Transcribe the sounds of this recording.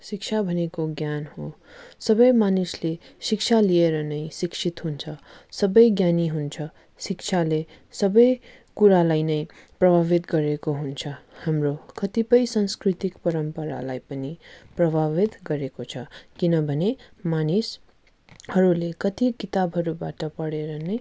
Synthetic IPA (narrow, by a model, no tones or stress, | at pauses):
sik̚t͡ʃʰabʱʌnekoɡjanho | sʌbʌjmanislesik̚t͡ʃʰalieɾʌnʌjsiksʰit̪ɦunt͡sʰʌsʌbʌjɡjaniɦunt͡sʰʌ | sik̚t͡ʃʰale | sʌbʌj | kuɾalajnʌj | prʌbʱaβit̪ɡʌɾekoɦunt͡sʰʌhamrokʌt̪ipʌjsʌnskɾit̪ikpʌɾʌmpʌɾa̰lajpʌniprʌbʱaβit̪ɡʌɾekot͡sʰʌkinʌbʱʌnemanis | hʌɾulekʌt̪ikit̪abʱɦʌɾubaʈʌpʌɽeɾʌnʌj